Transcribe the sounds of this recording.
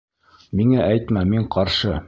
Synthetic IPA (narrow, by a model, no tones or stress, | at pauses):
miŋæʔæjt̪mæmiɴqɒɾʃɤ